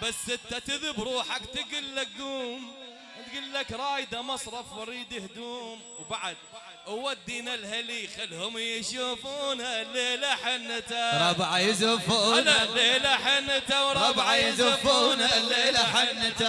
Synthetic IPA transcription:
basːɪt̪ːat̪ɪðɪbɾˤuːħakt̪ɪɡʊlːak̚ɡuːm | t̪ɡʊlːakɾˤɑːjd̪amɑsˤɾˤɑfwɑɾiːd̪ɪhd̪uːm | wbaʕad̪̚ | ʔawad̪ːinalhalixalːhʊmjɪʃuːfuːnhaleːlaħɪnːt̪aɾˤɑbʕajzʊfuːnlaleːlaħant̪awɾˤɑbʕajzʊfuːnhalelaħanːt̪a

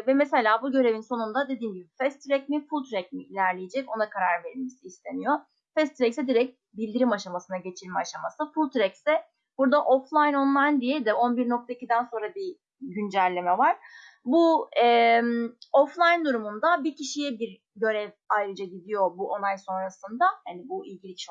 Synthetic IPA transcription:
vɛmese̞lʲaːbuɟø̞ɾe̞vinso̞nund̪ad̪e̞d̪iːnɟibifɛst̪ɾɛc̚mifulˠt̪ʰɾɛc̚miːlʲæɾlʲejed͡ʒɛco̞nakʰaɾaɾve̞ɾilʲmesiːst̪ʰe̞nijo̞ | fɛst̪ʰɾɛcsɛd̪iɾɛc̚ | bilʲd̪iɾimaʃamasɯnaɟe̞t͡ʃʰiɾʲmɛaʃamasɯfulˠt̪ʰɾɛcsɛ | b̥uɾd̪aʔo̞flˠajno̞nlˠajnd̪ijɛd̪ɛʔo̞nbiɾno̞k̚t̪ʰaicʰid̪ænso̞nɾabi | ɟynd͡ʒælʲːe̞mɛvaɾ̥buɛmoflˠajnd̪uɾumund̪abicʰiʃijɛbiɾ | ɟø̞ɾɛv | ajɾɯd͡ʒaɟid̪ijo̞buʔonajso̞nɾasɯnd̪ahanibuilʲɟilʲicʰʃ

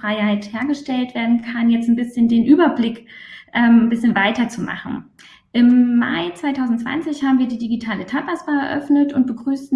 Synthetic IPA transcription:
ʁ̥aɪhaɪtheːɐɡəʃtɛltv̥eːɐdn̩kʰanjɛt͡stn̩bɪsçəndeːnʔyːbɐblɪkʔɛːmnbɪsçənvaɪtɐt͡suma̰χn̩ | ʔɪmːa̰ɪt͡sv̥aɪtʰaʊzn̩tt͡sv̥a̰nt͡sɪçhaːbm̩viːɐdiːdiɡitʰaːlətʰaːt̚pasb̥aːɛɐʔœ̰fnətʊnt̚b̥əɡʁyːsn̩

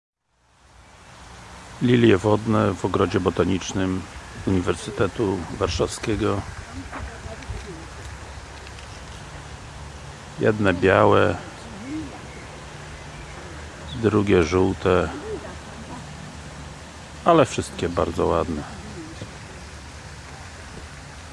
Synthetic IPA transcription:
lʲiljɛvɔd̪nɛvɔɡɾɔd͡ʑɛbɔt̪aɲit͡ʂnɘmuɲivɛɾsɘt̪ɛt̪uvaɾʂafskʲɛɡɔ | jɛ̰d̪nɛbʲjawɛ | d̪ɾuɡʲɛʐuwt̪ɛ | alɛfʂɘst̪̚kʲɛbaɾd̪zɔwad̪nɛ

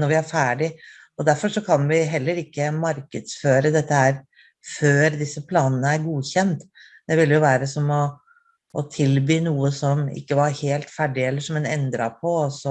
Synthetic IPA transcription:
nɔɾʋɪæɾfæːɖɪ | ɔd̪æɾfɔʂɔkʰɑnʋɪɦɛlːəɾɪkːəmɑɾkəd̪sføːɾəd̪ɛt̪ːəæɾ | føːɾd̪ɪsːəpʰlɑːnənəæɾɡuːçɛnt̪ | d̪̥ɛʋɪlːjʊʋæːɾəsɔmɔ | ʔːt̪ʰɪlbyːnuːəsɔmɪ̰kːəʋɑɾheːlt̪fæɖɪɛlːəʂɔmɛnɛ̰nd̪ɾɑpʰɔɔsɔ

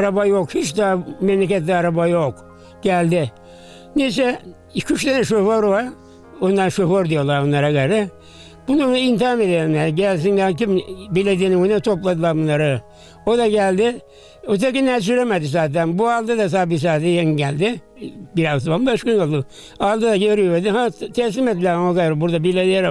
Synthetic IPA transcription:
aɾabajokhit͡ʃd̪amɛmlʲekʲɛt̪lʲiaɾabajok | ɟ̥ælʲd̪ɪ | niːs̬ɛ | kʰyʃlenɛʃøfoɾvaɾ | ond̪aɾʃofoɾd̪ijolˠaɾonːˠaɾaɡeɾɪ | bununuint̪̬aːmed̪eimʲɛɾɟælʲs̬inlʲæɾkimbilʲed̪iniunɛt̪ʰo̞plˠad̪ɯlˠaɾbunːˠaɾɯ | od̪aɟælʲd̪ɪ | ot̪̬ʰekinɛs̬yɾemed̪is̬aːt̪ænbualˠd̪ɯd̪as̬abis̬aːt̪ɛjeŋɟælʲd̪ɪ | biɾazt̪banmbaʃkonolˠd̪u | alˠd̪ɯd̪aɡøɾijed̪iɦat̪ʰɛs̬lʲimet̪̚bilʲæhaokajɾɪbuɾd̪abilʲed̪ijeɾ

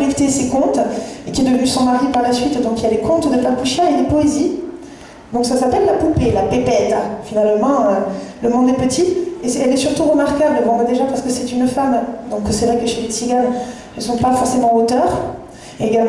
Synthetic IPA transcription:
ilt̪esekɔ̃t̪ekʲiɛd̪əvənysɔ̃maʁipaʁlasɥit̪d̪ɔ̃kiljad̪ekɔ̃t̪d̪əfaʁplyʃjɛ̃ʁed̪epɔezi | d̪ɔ̃ksasapɛlːapɔ̃pelapepɛt̪finalmɑ̃øləmɔ̃d̪ɛpət̪ʰiesɛlɛsyʁt̪uʁəmaʁkabləmɔ̃əd̪eʒapaʁsə̥kəsɛt̪ynfamd̪ɔ̃ksɛvʁɛkəʃelesiɡan | ɛəsɔ̃pafɔʁsemɑ̃ot̪œʁː | ɡal

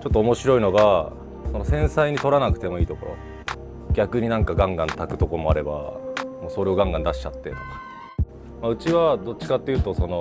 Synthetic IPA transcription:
t͡ɕo̞t̪ːoːmo̞ɕiɾo̞ino̞ɡa | so̞no̞sẽ̞ɰ̃saiɲ̟it̪o̞ɾanakɯ̟̥t̪e̞mo̞iːt̪o̞koɾo̞̰ | ɡʲakɯ̟ɲ̟inãŋkaɡãŋɡãnt̪akɯ̟̥t̪o̞ko̞moaɾe̞ba̰mo̞ːso̞ɾe̞o̞ɡãŋɡãnd̪aɕi̥t͡ɕat̪ːe̞̰t̪oka | maɯ̟t͡ɕiβad̪o̞tt͡ɕt͡ɕi̥kat̪ːeiɯ̟ːt̪o̞so̞no̞

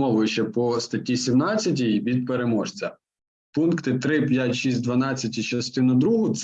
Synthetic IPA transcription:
mɔʋʊjʊt͡ʃɛpɔst̪ɐtʲisʲimnɑt͡sʲːɐt̬ʲiʋʲid̪̚peɾe̞mɔʒt͡sʲɐ | punkt̪ɪt̪ɾɪpʲjatʲʃisʲt̚ʲd̪ʋɐnɑt͡sʲːɐtʲit͡ʃɐst̪ɪnʊd̪ɾuɦʊt̪s

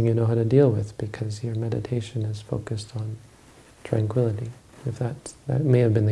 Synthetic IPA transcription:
ŋjɨnoʊɦaʊɾɨdilˠwɪð̥b̥ɨkʰʌzjə˞mɛɾɨ̰tʰeɪʃɨ̃nɨz̥foʊkɨstn̩ | tʰɹ̥æ̃ŋkʰw̥ɪlˠəɾi | ɨfðɨt̪̚ðɨ̰t̚meɪɨvbɨ̃nðɨ

